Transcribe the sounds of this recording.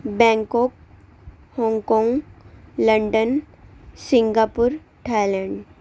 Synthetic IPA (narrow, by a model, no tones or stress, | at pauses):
bɛ̃ŋkɔk̚ | hɔ̃ŋkɔ̃ŋɡləɳɖən | siŋɡapuɾ | ʈʰajlɛ̃ɳɖ